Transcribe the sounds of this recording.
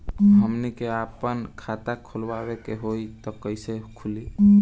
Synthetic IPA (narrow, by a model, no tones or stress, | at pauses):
ɦəmnikeapənkʰat̪akʰolwawekeɦoit̪ɔkəɪsekʰuli